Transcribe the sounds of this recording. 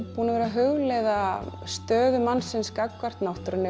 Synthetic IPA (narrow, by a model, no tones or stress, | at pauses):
puːnavɛːɾaɦʏɣlɛðast̪œːðʏmanːsɪnskakːvar̥t̪nawht̪ʏɾʏnːɪ